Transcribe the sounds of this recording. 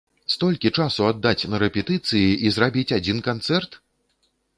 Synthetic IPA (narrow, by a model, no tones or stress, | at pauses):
st̪ɔlʲkʲit͡ʂasuad̪ːat͡sʲnɐɾɛpʲɛt̪ɨt̪sɨjiʔizrabʲit͡sʲad͡zʲinkant̪sɛrt̪